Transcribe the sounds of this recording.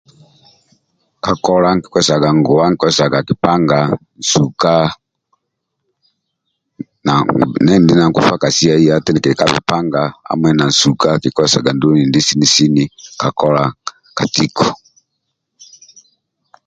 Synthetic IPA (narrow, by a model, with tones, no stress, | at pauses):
ka˨kɔ˦la˦ŋki̥˨kɔ˦sa˨ɡa˨ŋɡɔ˨a˦ŋi˨˦kɔ˦ɛ˦sa˨ɡa˨ki˨pa˦ŋɡa˨n̩˨su˨ka˦ | na˨nɛ˦ndi˦na˨ŋku˨fa˦ka˨si˦a˦i˦ja˦tɛ˦ni˨kɛ˨ka˦vḭ˨pa˦ŋɡa˨a̰˦mwɛ˨na˨n̩˨su˨ka˦ki˨kɔ˦˨sa̰˨ɡa˨ndu˦ni˨ndi˦si˦ni˨si˦ni˦ka˨kɔ˦la˨ | ka˨ti˦kʰɔ˨